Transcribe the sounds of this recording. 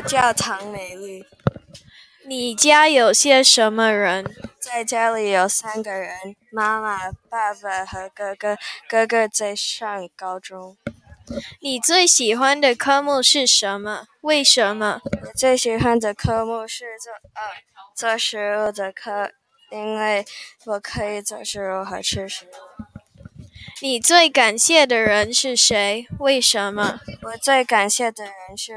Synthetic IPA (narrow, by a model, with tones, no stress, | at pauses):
t͡ɕjɑ˥˩ʊt̪ʰɑ˧˥ŋme˨˧˩ɪly˥˩ | ni˨˩t͡ɕja˥jo˨˩ʊɕjɛ˥ʂə˧˥nmə˧ɻə˧˥nt͡sa˥˩ɪt͡ɕja˥li˨˩jo˨˩ʊsa˥nɡə˨ɻə˧˦n | ma˥ma˨˩pa˥˩pa˨˩xɤ˧˥kɤ˥˧ɡkɤ˥ɡə˥˧t͡sa˥˧ɪʂɑ˥˩ŋkɑ˥ʊʈ͡ʂʊ˥ŋ | ni˨˩t͡swe˥˩ɪɕi˨˩xwa˥nd̪ə˨kʰɤ˥mu˥˧ʂɻ̩˥˩ʂə˧˥nmə˧ | we˥˩ɪʂə˧˥nmə˧wɔ˨˩t͡swe˥˩ɪɕi˨˩xwa˦˥nd̪ə˨kʰɤ˥mu˥˧ʂɻ̩˥˧˥ | t͡sɔ˥˩ʂɻ̩˧˥ɻu˥˩d̪ə˨kʰɤ˥ | i˥nwe˥˩ɪwɔ˨˩kʰɤ˧˥i˨˩t͡sɔ˥˩ʂɻ̩˧˥ɻu˥˩xə˨˧˩ʈ͡ʂʰɻ̩˥˧ʂɻ̩˧˥ | ni˨˩t͡swe˥˩ɪka˨˩nɕjɛ˥˩d̪ə˩ɻə˧˥nʂɻ̩˥˩ʂe˧˥ɪwe˥˩ɪʂə˧˥nmə˧wɔ˨˩t͡swe˥˩ɪka˨˩nɕjɛ˥˩d̪ə˩ɻə˧˦˥nʂɻ̩˥˩